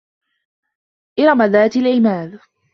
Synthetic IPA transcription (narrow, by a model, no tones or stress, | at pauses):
ʔɪɾˤɑmaðaːt̪ɪlʕɪmaːð